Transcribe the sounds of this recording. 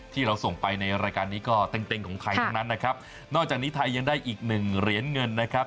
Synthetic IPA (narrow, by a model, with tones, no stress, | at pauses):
t̪ʰiː˥˩ɾa˧wso˨˩ŋpa˧jna˧jɾaː˧jkaː˧nːiː˦˥kɔː˥˩t̪e˨˧mt̪e˧ŋkʰɔː˩˦ŋt̪ʰa˧jt̪ʰa˥ŋna˦˥nːa˦˥kʰa˦˥p̚ | nɔː˥˩k̚aː˨˩k̚niː˦˥t̪ʰa˧jːa˧ŋdaː˥˩jʔiː˨˩k̚nɯ˨˩ŋɾi˧˩ənŋɤ˧nːa˦˥kʰa˦˥p̚